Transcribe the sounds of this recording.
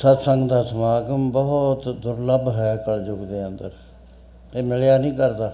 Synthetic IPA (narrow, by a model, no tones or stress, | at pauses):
sət̪səŋɡd̪aːsəmaːɡəmbɔɦʊt̪d̪ʊɾləbɦɛːkəld͡ʒʊɡd̪eːənd̪əɾ | eːmɪljaːnĩːkəɾd̪aː